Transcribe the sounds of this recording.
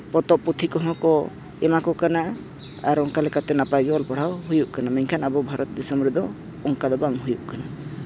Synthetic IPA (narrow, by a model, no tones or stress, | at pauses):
pɔt̪ɔʔput̪ʰikɔɦɔ̃kɔ | ɛmakɔkanaʔ | a̰ɾɔŋkalɛkat̪ɛnapajɡɔlpɔɽ̤awɦujuʔkanamɛɲkʰanabɔbʱaɾʔɔt̪d̪ɛsɔmɾud̪ɔ | ɔŋkad̪ɔbaŋɦujuʔkana